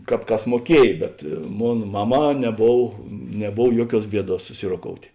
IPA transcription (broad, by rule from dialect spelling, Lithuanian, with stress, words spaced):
ˈkɑːp ˈkɐs muɔˈkʲiɛj bʲɛt ˈmoːn ˈmɑːˌmɑː nʲɛˈboːw nʲɛˈboːw ˈjuɔˌkʲuɔs ˈbʲiɛˌduɔs sʊˈsʲɪroːˌkoːʊtʲeː